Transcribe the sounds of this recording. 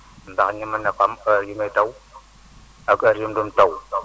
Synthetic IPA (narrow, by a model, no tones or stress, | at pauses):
nbakɲimanakamaɾjimetaw | akaɾjimdumtaw